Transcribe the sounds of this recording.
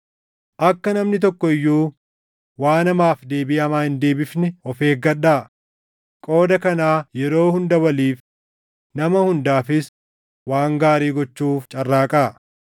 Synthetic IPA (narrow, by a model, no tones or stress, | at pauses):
ʔɐkːɐnɐmnɪt̪̬ɔkːɔɪjːuː | waːnɐmaːfd̪e̞ːbɪɐmaːhɪnd̪e̞ːbɪfnɪɔfeːɡɐɗːaː | kʼo̞ːd̪ɐkɐnaːjɛɾo̞ːhʊnd̪ɐwɐliːf | nɐmɐhʊnd̪aːfɪs | waːŋɡaːɾiːɡɔt͡ʃːuːft͡ʃʼɐrːaːkʼaː